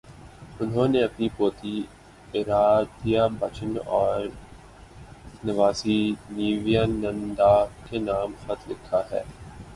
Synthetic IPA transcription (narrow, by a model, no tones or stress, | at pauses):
ʊnɦõːneɐpnipoːt̪i | ɪɾaːd̪jabɐt͡ʃʰənɔːɾ | nɪʋaːsiniːʋijaːnɐ̃nd̪aːkenaːmxɐt̪lɪkʰːaɦɛ̰ː